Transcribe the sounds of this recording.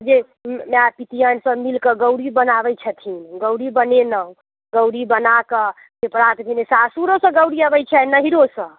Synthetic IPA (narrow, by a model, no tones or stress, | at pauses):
d͡ʒe | meapit̪ijənsə̃milkəɡəwɽibənabɛt͡ʃʰət̪ʰinɡəwɽibənenəɦũ | ɡəwɽibənakə | d͡ʒepɾat̪bʱenesasuɾosə̃ɡəwɽiəbɛt͡ʃʰɛnəɦiɾosə̃